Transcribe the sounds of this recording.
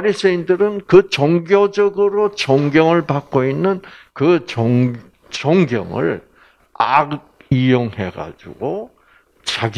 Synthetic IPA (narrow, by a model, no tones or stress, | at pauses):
ɾisʰeindɯɾɯnkɯt͡ɕʌŋɡjod͡ʑʌɡɯɾot͡ɕʌŋɡjʌŋɯɭpak͈̚oinːɯnkɯt͡ɕʌ | t͡ɕʌŋɡjʌ̰ŋɯ̰ɭ | a̰ | ijoŋhe̞̰ɡa̰d͡ʑṵɡo | t͡ɕaɡ